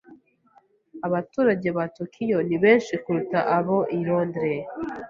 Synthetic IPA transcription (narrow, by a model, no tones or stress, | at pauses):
aβatuːɾaɟe̞βatokʰijo̞niβe̞ːnʃikuɾutaʔaβo̞ʔiɾondɾe